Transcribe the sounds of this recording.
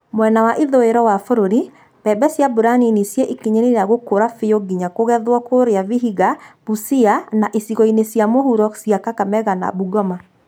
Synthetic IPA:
mwɛnawaʔiðoeɾɔwafoɾoɾi | b̥ɛbɛsjabuɾaninisjɛʔikeɲeɾeɾaɣokoɾafejoɡiɲakoɣɛðwɔkoɾeaviɦiɣab̥usianaʔesiɣɔinesjamohuɾɔsjakakamɛɣana̰buɣɔma

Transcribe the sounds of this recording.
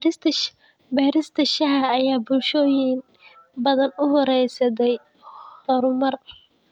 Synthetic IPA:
bɛːɾɪst̪ʰɐʃɐɦɐːjaːbʊlʃɔːjɪŋ | bɐðɐnʊɦɔɾɛjsɐd̪ɛj | hɔɾʊmɐr

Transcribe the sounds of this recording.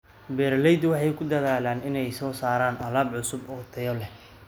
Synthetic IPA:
bɛːrlɛjd̪wɑħɑjkʰʊd̪ɐðaːlaːnɪnɛjsɔːsaːɾaːnʔɐlaːbʕʊsʊbɔːt̪ʰɐjɔlɛ

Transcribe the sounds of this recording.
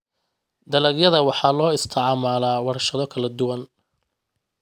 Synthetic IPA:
d̪ɐlɐɡjɐðɐwɑħɑːlɔːɪst̪ʰɐʕɑmaːlaːwɑɾɐʃɐðɔkʰɐlɐd̪ʊwɐn

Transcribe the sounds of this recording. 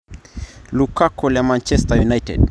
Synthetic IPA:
lukakɔlamãnt͡ʃɛstajunajtɛ̰d

